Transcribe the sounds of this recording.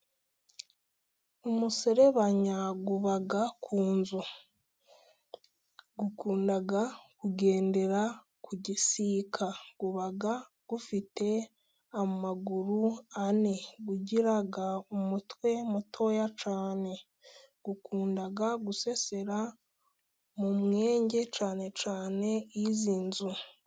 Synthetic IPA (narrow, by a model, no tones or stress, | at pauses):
omuseɾe̞βaɲaɡuβaɡakʰuːnzo | ɡukuːndaɡakuɡe̞ːnde̞ɾa | kʰuɟisiːkʰaɡ̥uβaɡaɡ̥ufite̞ | amaɡuɾuaneɡuɟiɾaɡaumutwe̞mutʰo̞jat͡ʃaːne̞ | ɡ̥ukʰuːndaɡaɡuse̞se̞ɾa | mumŋe̞ːɲɟe̞t͡ʃaːne̞t͡ʃaːne̞iziːnzu